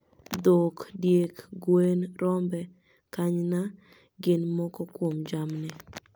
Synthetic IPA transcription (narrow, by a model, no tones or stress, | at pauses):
d̪okdjekɡwenɾɔmbɛ | kaɲna | ɡɪnmɔkɔkwomd͡ʒamnɪ